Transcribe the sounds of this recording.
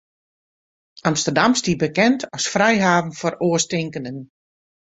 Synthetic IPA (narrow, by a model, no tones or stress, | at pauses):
ʔamstərdamstibəkɛntʰɔsfrɛjɦaːvən̩fɔroəstɪŋkənən